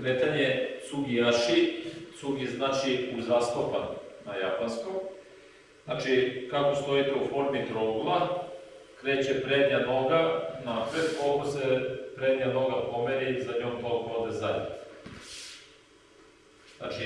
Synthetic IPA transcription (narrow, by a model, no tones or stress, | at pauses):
kɾeːt̪aɲe̞suɡijaʃisuɡiznaːt͡ʃiuzast̪opannajapanskom | znat͡ʃikako̞st̪o̞it̪eufo̞ɾmit̪ɾoɡulˠa | kɾe̞ːt͡ɕepɾeːd̪ɲano̞ɡanapɾed̪ko̞lko̞sepɾe̞d̪ɲano̞ɡapo̞meɾizaɲoːmt̪olkvod̪ezaj̰̪ | zna̰t͡ʃi